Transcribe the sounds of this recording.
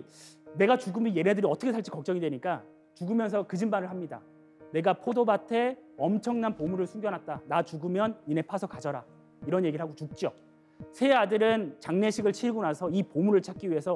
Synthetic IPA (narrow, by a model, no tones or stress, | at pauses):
ne̞ɡat͡ɕuɡɯmije̞nedɯɾiʌt͈ʰʌkʰesʰaɭt͡ɕ͈i̥kʌk̚t͡ɕ͈ʌŋidwe̞ɲik͈a | t͡ɕuɡɯmjʌns̬ʰʌkɯd͡ʑimbanɯɭɦamɲida̰ | ne̞ɡapʰodobatʰe̞ʌmt͡ɕʰʌŋnanpomuɾɯɭsʰuŋɡjʌnɦat̚t͈anat͡ɕuɡɯmjʌnine̞pʰasʰʌkad͡ʑʌɾa | iɾʌnjeɡiɭɦaɡot͡ɕuk̚t͡ɕ͈o | sʰe̞adɯɾɯnt͡ɕaŋne̞ɕʰiɡɯɭt͡ɕʰiɡunasʰʌipomuɾɯɭt͡ɕʰak͈iɥiɦe̞sʰʌ